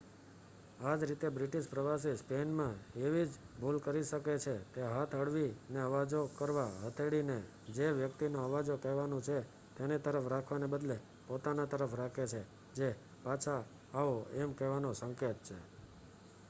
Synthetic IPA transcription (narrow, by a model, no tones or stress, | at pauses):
ad͡ʒɾit̪ebɾiʈiʃpɾəʋas̬ispenmãeʋid͡ʒ | bʱulkəɾiʃəket͡ʃʰet̪eɦat̪ʰəɽʋineəʋad͡ʒokəɾʋaɦət̪ʰeɽine | d͡ʒeʋjək̚t̪inoəʋad͡ʒokɛɦʋanũt͡ʃʰe | t̪enit̪əɾəfɾakʰʋanebəd̪le | pot̪anat̪əɾəfɾakʰet͡ʃʰe | d͡ʒe | pat͡ʃʰaː | ʋoɛmkɛʋanosəŋket̪̚t͡ʃʰe